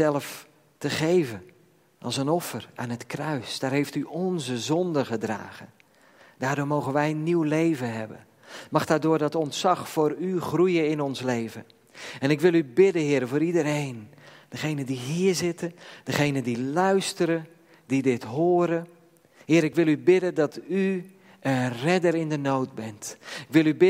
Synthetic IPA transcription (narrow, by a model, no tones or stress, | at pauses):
ɛlˠəf | təχejvə | ʔɑ̰lˠsənɔfəraːnətkrœɥsd̥aːɹɦejftyʔɔnzəzɔndəχədra̰ːɣən | daːdʊːɹmowɣənʋɛjənːiwlejvənɦɛbə̰n | mɑχdaːdʊːɹdɑtɔntsɑχfʊːɾyχrujəɪnɔnslejvə̰ | ɛnɪkʋɪlˠybɪdəɦɪːɾəvʊːɾidəɾejnd̥əχejnəndiɦiːɹzɪtəd̥əχejnəndilœɥstəɾə | didɪtɦoːɾə | hɪːɾɪkʋɪlˠybɪdəndɑty | ənrɛdəɾɪndənowt̚bɛntɪkʋɪlˠybɪ